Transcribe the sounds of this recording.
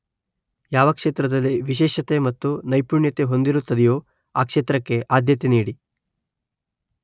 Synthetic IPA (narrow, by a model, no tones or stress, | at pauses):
jaːʋɐkʂeːt̪ɾɐd̪ɐlːiʋiʃɛːʃɐt̪e̞mɐt̪ːunɐjpuːɳjɐt̪e̞ɦo̞nd̪iɾut̪ːɐd̪ɛjoː | aːkʂeːt̪ɾɐkːe̞ʔaːd̪ʱjɐt̪eniːɽi